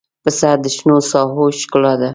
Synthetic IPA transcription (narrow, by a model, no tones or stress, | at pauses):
pəsad̪əʃnosɑɦoʃklɑd̪a